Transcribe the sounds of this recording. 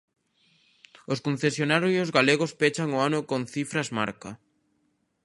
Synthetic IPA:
oskõn̟θesjonaɾosijozɣaleɣospet͡ʃaŋoanʊkonθifɾazma̰ɾka

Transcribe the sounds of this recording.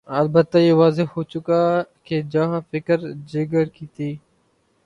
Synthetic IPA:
əlbət̪ːaːjeːʋaːzɪɦoːt͡ʃʊkaːkeːd͡ʒaɦãːfɪkəɾd͡ʒɪɡəɾkiːt̪iː

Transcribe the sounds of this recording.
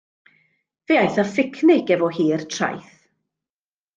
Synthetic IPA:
v̥eajθafɪkʰnɪɡɛvɔhiːrtʰra̰jθ

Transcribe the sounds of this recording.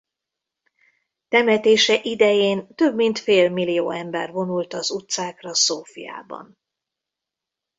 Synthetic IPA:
t̪ɛmɛt̪eːʃɛʔid̪ɛjeːnt̪ø̞bmint̪feːlmilijoːɛmbɛrvo̞nult̪ɒzut̪saːkrɒsoːfḭja̰ːbɒ̰n

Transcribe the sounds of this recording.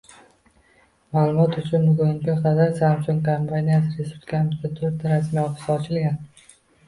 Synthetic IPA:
maːlˠʊmɒt̪ʊt͡ʃʰʊnbʊɡʊŋkʲaqʰɑd̪aɾsamsoŋkʰampʰanʲijasɪɾesu̥kʲʰamɪzd̪ʲat̪ʰɵɾt̪ʰːaɾasmijɒfɪ̥saɒt͡ʃʰɪlɡʲan

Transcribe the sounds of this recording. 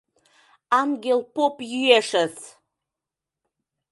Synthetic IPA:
amɡʲelpopʼjyeʂaz

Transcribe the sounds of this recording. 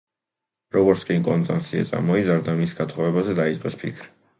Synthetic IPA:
ɾɔɡɔɾt̪sʰkʼimkʼɔnt̪ʼa̰nt̪sʰia̰t̪sʼa̰ɾmɔizaɾd̪amisɡat̪ʰχɔvɛbazɛd̪ait̪sʼqʼɛspʰḭkʰɾ

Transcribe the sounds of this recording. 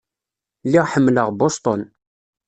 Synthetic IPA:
lːiʁħəmːləʁbost̪ˤon

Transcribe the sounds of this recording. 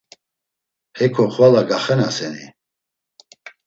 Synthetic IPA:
hɛkʰɔχvalaɡaχɛnasɛnḭ

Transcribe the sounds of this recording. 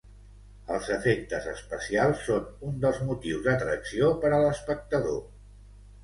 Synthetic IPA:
əlˠzəfek̚t̪əzəspəsialˠsːonund̪əlˠzmut̪iwzd̪ət̪ɾəksiopəɾələspək̚t̪əðo

